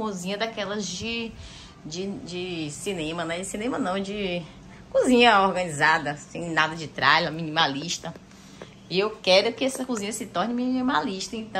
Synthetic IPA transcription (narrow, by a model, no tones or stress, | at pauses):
uzĩɲɐd̪akɛlɐzd͡ʒɪ | d͡ʒɪd͡ʒɪsinẽmɐnɛd͡ʒɪsinẽmɐnɐ̃w̃d͡ʒɪ | kuzĩɲɐɔɾɡɐ̃nizad̪ɐsẽj̃nad̪ɐd͡ʒɪt̪ɾa̰jlɐmĩnĩmaliʃt̪ɐ | iewkɛɾʊkɪɛsɐkuzĩɲɐsɪt̪ɔɾnɪmĩnĩmaliʃt̪ɐẽnt̪ɐ̃